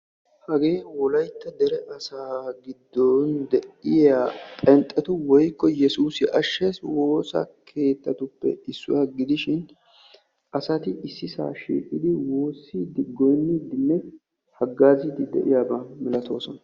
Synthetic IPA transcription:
hɐɡeːnwɔlɐjt̪ːɐd̪ɛɾɛʔɐsaːɡɪd̪ːɔnd̪ɛʔɪjapʼɛnt̪ʼːɛt̪ʊwɔjkːɔjɛsuːsɪʔɐʃːeːswo̞ːsɐ̰kʰe̞ːt̪ːɐt̪ʊpːɛ̰ɪsːʊ̰wɐɡɪd̪ɪʃɪn | ʔɐsɐt̪ɪɪsːɪsa̰ːʃḭːkʼːɪd̪ɪwoːsːid̪ɪɡɔjnːid̪ɪnːɛ | hɐɡːaːzɪd̪ɪd̪ɛ̰ʔɪjaːbɐmɪlɐt̪ʰo̞ːsɔnɐ

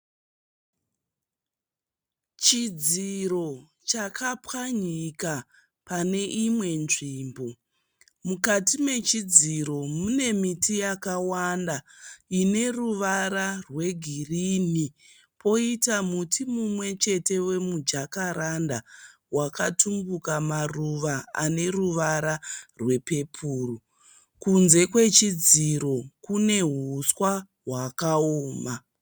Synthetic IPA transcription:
t͡ʃid͡ziɾo̞ | t͡ʃakʰapwaɲika | pane̞ʔimwe̞nʐiːmbo | mukatime̞t͡ʃid͡ziɾo̞mune̞mitʰijakawandaine̞ruʋaɾarwe̞ɡʱirini | po̞itamutʰimumwe̞t͡ʃe̞te̞we̞mud͡ʒakaɾanda | wakatumbukamaruʋaa̰ne̞ruʋaɾarwe̞pe̞pʰuːru | kunze̞kwe̞t͡ʃid͡ziɾo̞kune̞ɦuswa | ɦwakaoːma

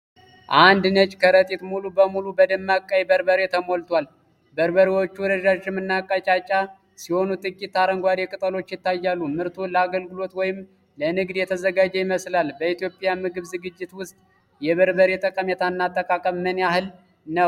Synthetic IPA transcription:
ʔand̪nət͡ʃʼkʰəɾət̪ʼit̪mulubəmulubəd̪ɨmːakʼajbəɾbəɾet̪ʰəmo̞lt̪ʰwal | bəɾbəɾiwo̞t͡ʃːuwɾəʒaʒɪmɨnːakʼːat͡ʃʼat͡ʃʼa | siho̞nut̪ʼɨkʼːit̪ːaɾəŋɡʷad̪ekʼɨt̪ʼəlo̞t͡ʃːjɪt̪ːajːalːumɨɾt̪ʰoləaɡəlɡɨlo̞t̪wɔjɪm | lənɨɡd̪jɛt̪ʰəzəɡad͡ʒɛjɪməslalbəit̪jo̞pʼɪjamɨɡɨβzɨɡɨd͡ʒːɪt̪wʊst̪ʼ | jɛβəɾbəɾet̪ʼəkʼəmɛt̪ʰanːat̪ʼːəkʼakʼəβmənahɨl | nəw

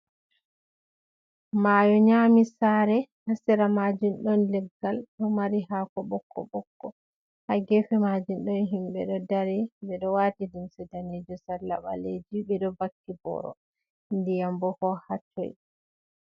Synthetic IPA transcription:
majɔɲaːmisaɾɛhasɛɾamad͡ʒinɗɔnlɛɡːalɗɔmaɾiɦakɔɓɔkʰːɔ̰ɓɔkːɔ | haɡɛfɛmad͡ʒunɗɔnɦimɓɛ̰ɗɔdaɾɛbɛɗɔwaːtidumsɛdaned͡ʒɔsalːaɓa̰led͡ʒibɛɗɔbakːibɔ̰ɾɔ̰ | ndɛjambɔhɔhat͡ʃːɔ̰j

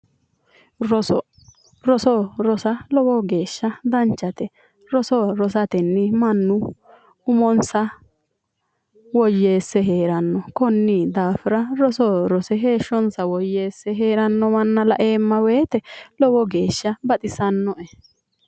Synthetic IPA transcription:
ɾɔsɔ | ɾɔsɔɾɔsɐlɔwɔɡe̞ːʃːɐd̪ɐnt͡ʃːɐt̪ɛ | ɾɔsɔɾɔsɐt̪ɛnːɪmɐnːʊ | ʊmɔnsɐ | wɔjːe̞ːsːɛɦe̞ːɾɐnːɔkɔnːɪd̪aːfɪɾɐɾɔsɔɾɔsɛɦe̞ːʃːɔnsɐwɔjːeːsːɛɦeːɾɐnːɔmɐnːɐlɐ̰ʔe̞ːmːɐweːt̪ɛlɔwɔɡe̞ːʃːɐbɐt̪ʼɪsɐnːɔʔɛ

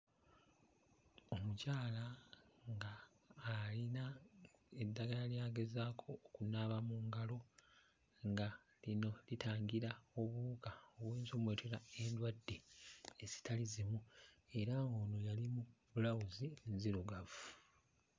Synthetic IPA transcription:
o̞mucaːlaŋɡaː | lina | edːaɡalaljaːɡe̞zaːkʰo̞ːkunaβamuːŋɡalo̞ | ŋɡa | lino̞litaːŋɡiɾao̞βuːkaoβweːnzomwe̞ːtuɾae̞ndwadːe̞ezi̥tʰalizimue̞ɾaŋɡo̞ːno̞jalimubulawuzinziɾuɡavu

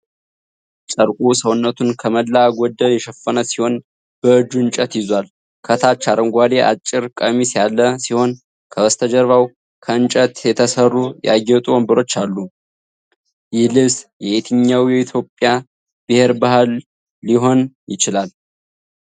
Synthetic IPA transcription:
t͡ʃʼəɾkʼusəwnːət̪ʰunkʰəməlːaɡʷɔd̪ːəljɛʃəfːənəsiho̞n | b̥əɨd͡ʒːuɨnt͡ʃʼət̪jɪzwal | kʰət̪ʰat͡ʃːaɾəŋɡʷad̪eʔa̰t͡ʃʼːɪɾkʼəmisjalːəsiho̞n | kʰəwəst̪ʰəd͡ʒəɾβaw | kʰəɨnt͡ʃʼət̪jɛt̪ʰəsərːuja̰jɛt̪ʼuɔmbɨɾo̞t͡ʃːalːu | jɪhlɨsjɛet̪ʰɨɲːawjɛit̪ʰjo̞pʼja | b̥ɨheɾbahalː | iɦo̞njɪt͡ʃɪlal

